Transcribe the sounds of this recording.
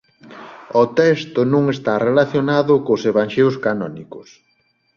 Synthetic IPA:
ot̪ɛst̪ʊnũŋest̪arelaθjonaðʊkoseβaŋʃeʊskanɔnikʊs

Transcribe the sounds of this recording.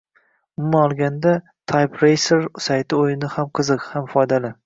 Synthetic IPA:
mʊmaɒlˠɡʲand̪a | t̪ʰajpɾejseɾsajt̪ʰɪojɪnɪhamqʰɨzɨqhamfɒjd̪alɪ

